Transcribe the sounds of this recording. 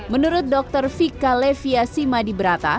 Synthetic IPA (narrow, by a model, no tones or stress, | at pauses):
mənuɾʊt̪̚dɔk̚t̪ərfikalefiasimadibəɾat̪a̰